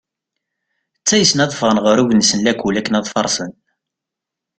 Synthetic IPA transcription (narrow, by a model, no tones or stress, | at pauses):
t͡sːæjəsnɑðˤəfʁənʁəɾuʝnsənlækulækːənɑðˤfɑɾˤsən